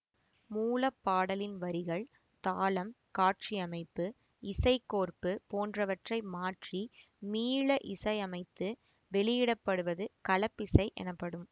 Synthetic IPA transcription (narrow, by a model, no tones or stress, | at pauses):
muːlɐpːaːɽɐlɪnʋɐɾɪɣɐɭ | t̪aːlɐm | kaːʈ̚t͡ʃiɐmɐɪpːɯ | ɪsɐɪkːoːrpɯpoːndrɐʋɐʈrɐɪmaːʈri | miːɭɐʔɪsɐɪɐmɐɪt̪ːɯ | ʋɛɭɪjɪɽɐpːɐɽɯʋɐðɯkɐlɐpːɪsɐɪʔɛ̰nɐpːɐɽɯm